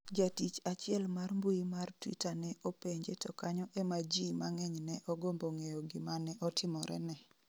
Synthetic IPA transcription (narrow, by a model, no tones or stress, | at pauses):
d͡ʒatit͡ʃat͡ʃɪɛlmarmbuimartwḭtanɛopeɲd͡ʒetɔkaɲɔʔemad͡ʒimaŋɛɲnɛʔɔɡomboŋejɔɡɪmanɛʔɔtʰɪmɔɾɛ̰nɛ